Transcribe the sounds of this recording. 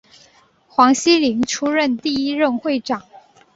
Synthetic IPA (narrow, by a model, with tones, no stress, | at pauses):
xwɑ˧˥ŋɕi˥li˧˥ŋʈ͡ʂʰu˥ɻə˥˧nt̪i˥˧i˥ɻə˥˧nxwe˥˩ɪʈ͡ʂɑ˨˩˦ŋ